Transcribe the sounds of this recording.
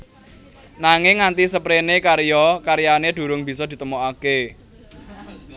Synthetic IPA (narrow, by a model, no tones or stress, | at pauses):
naŋɪŋːant̪isəpɾenekaɾjɔkaɾijaned̪̥ṳɾʊŋb̥isɔd̪̥i̤t̪əmoake